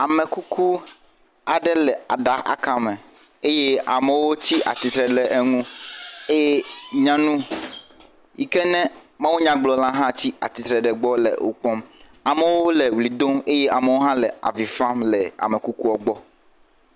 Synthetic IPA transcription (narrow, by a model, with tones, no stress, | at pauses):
a˨mɛ˨ku˦kʰu˦ | a˨ɖɛ˦lɛ˨a̰˨ɖa˨ʔa̰˨kã˨mɛ̃˨ | e˦je˦a̰˨mɛ˨wo˦t͡ɕi˦ʔa̰˨t̪i˨t̪ɾɛ˨ɖɛ˨ʔe˦ŋũ˦e˦ɲã˦nũ˦ | ji˨kɛ˦nɛ̃˦ | mã˦wu˦ɲã˦ɡ͡blɔ˨lã˦ɦã˦t͡ɕi˦a̰˨t̪i˨t̪ɾɛ˨ɖɛ˨ɡ͡bɔ˦lɛ̰˨ʔo̰˨k͡pɔ˦m | a˨mɛ˨wo˦lɛ˨wli˨d̪o˦me˦jɛ˦ʔa˨me˨wo˦ɦã˦lɛ˨a̰˨vi˨fã˦mlɛ˨a̰˨me˨ku˦ku˦ɔ˦ɡ͡bɔ˦